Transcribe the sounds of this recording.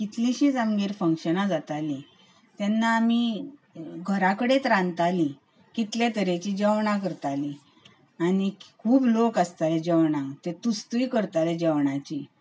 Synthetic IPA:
kit̪liɕiːd͡zamɡeɾfəŋkɕənad͡zat̪ali | t̪jɛnːaːmi | ɡʱəɾakəɽet̪ɾãnt̪ali | kit̪ljet̪əɾet͡ɕiːd͡ʑəʋɳãkəɾt̪ali | anikʰuːblokəst̪alɛd͡ʑəʋɳat̪et̪ust̪ikəɾt̪aled͡ʑɛʋɳat͡ɕi

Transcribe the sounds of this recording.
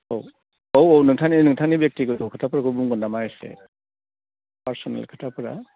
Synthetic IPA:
ow | owownɯŋtʰaninɯŋtʰanibjek̚tikɯtɔkʰɯtʰapɾakɯbuŋɡɔndamajsḛ | paɾsɔna̰lkʰɯtʰapɾa̰

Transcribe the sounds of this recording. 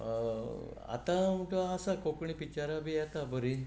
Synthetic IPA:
a̰t̪ãmuʈəasakokɳipit͡ɕaɾabʱiɛt̪abəɾi

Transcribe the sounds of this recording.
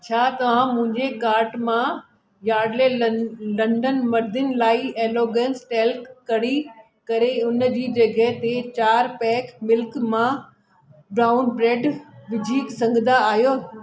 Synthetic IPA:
t͡ɕʰaːt̪ɐʋ̤ãmʊ̃ɦɪ̃ɲd͡ʑekaːɾʈmã | jaːɖlelɐ̃ɳɖənmɐɾd̪ɪnɪ̆laːieːloːɡẽːnsʈeːlkːɐɽi | kɐɾeʊnd͡ʑiːd͡ʑɐɡʱəɦɪt̪et͡ɕaːɾpɛːkmɪlkmã | bɾaːʊnbɾeːɖʋɪd͡ʑʱiːksɐ̃ŋɡʱɪnd̪aaːɦijoː

